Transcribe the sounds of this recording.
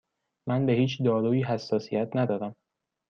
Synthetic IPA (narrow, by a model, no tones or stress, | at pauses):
mænbehiːt͡ʃʰd̪ɒːɾuːiːɦæsːɒːsijæt̪ʰnæd̪ɒːɾæm